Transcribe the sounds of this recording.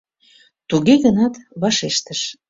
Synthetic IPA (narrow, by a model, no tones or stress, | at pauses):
t̪uɣeɣənɑt̪βɑʃeʃt̪əʃ